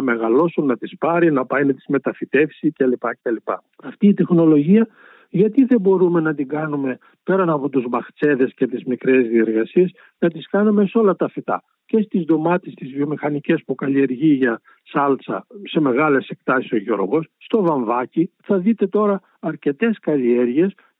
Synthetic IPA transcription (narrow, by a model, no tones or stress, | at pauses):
nɐme̞ɣɐlo̞sunːɐt̪ispɐɾinɐpɐjnɐt̪i̥zme̞t̪ɐfit̪e̞fsicɐlipɐeɐlipɐ̰ | ɐft̪iːt̪e̞xno̞lo̞ʝiɐ | ʝɐt̪iðe̞bo̞ɾume̞nɐt̪iɡɐnume̞ | pe̞ɾɐnɐpo̞t̪uzmɐxt͡se̞ðe̞sce̞t̪izmikɾezðie̞ɾɣɐsies | nɐt̪iskɐnume̞so̞lɐt̪ɐfit̪ɐ̰ | ce̞st̪izðo̞mɐt̪est̪izvio̞mixɐnice̞spukɐlie̞ɾʝiʝɐ | sɐlt͡sɐ̰se̞me̞ɣɐle̞sekt̪ɐsi̥so̞ʝo̞ɾɣo̞sst̪o̞vɐɱvɐciθɐðit̪e̞t̪o̞ɾɐː | ɾce̞t̪e̞skɐlieɾʝie̞s